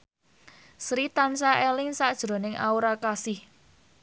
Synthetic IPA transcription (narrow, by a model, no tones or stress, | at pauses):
sɾit̪ansaʔelɪŋsaʔd̥ʒ̥ɾo̤nɪŋʔa̰uɾakasɪh